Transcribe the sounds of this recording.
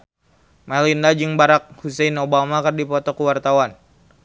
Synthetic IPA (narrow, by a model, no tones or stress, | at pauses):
malindad͡ʒɨŋbaɾak̚husɛnobamakərdipɔt̪ɔkuwart̪awan